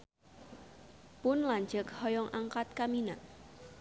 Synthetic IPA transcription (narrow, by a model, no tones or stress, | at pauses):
pʊnlaɲd͡ʒəkhɔjɔŋʔaŋkat̪̚kamina